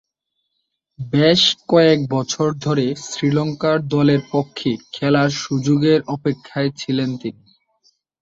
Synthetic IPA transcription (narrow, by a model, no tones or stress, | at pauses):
beʃkɔek̚bɔt͡ɕʰoɾd̪ʱoɾesɾilɔŋkaɾd̪ɔleɾpokʰːekʰɛlaɾʃud͡ʑoɡeɾʔɔpekʰːaet͡ɕʰilent̪ini